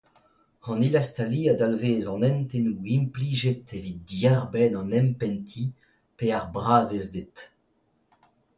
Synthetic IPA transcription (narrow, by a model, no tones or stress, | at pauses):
ɑ̃nilast̪aliːad̪alveːzɑ̃nɛ̃nt̪enuimpliːʒet̪evid̪̚djɛʁbɛnɑ̃nɛmpɛ̃nt̪ʰi | peaʁbʁaːzezd̪et̪